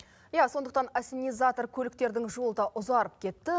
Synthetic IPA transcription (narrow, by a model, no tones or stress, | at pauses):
jaso̞nd̪əq̚t̪ɑnasinijzat̪o̞rkʲʰɵlɪkt̪e̞ɾd̪ɪŋʒolˠəd̪ɑʔʊzɑɾəp̚kʲʰe̞t̪ːɪ